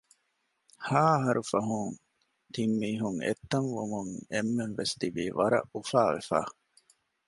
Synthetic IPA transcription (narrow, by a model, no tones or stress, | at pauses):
haːɦɐɾufɐɦuŋ | t̪imːiːɦuŋḛt̪ːɐŋʋumuŋemːenʋest̪ibiːʋɐɾɐ̰ʔufaːʋḛfa̰ː